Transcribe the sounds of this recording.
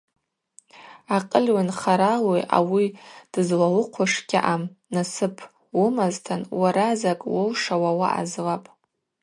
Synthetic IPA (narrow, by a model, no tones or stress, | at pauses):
aqʼəlʲwanχaɾalojʔa̰wid̥ɨzlalɨqʷʰaʂkʲʼɪ̰ʔamnasɨpʰ | wʊmaztʰanwaɾazakʼwolʂawawa̰ʔa̰zlapʼ